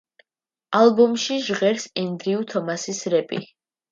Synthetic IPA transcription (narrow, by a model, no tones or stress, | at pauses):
alˠbɔmʃiʒʁɛɾsɛnd̪ɾiut̪ʰɔmasisɾɛpʼḭ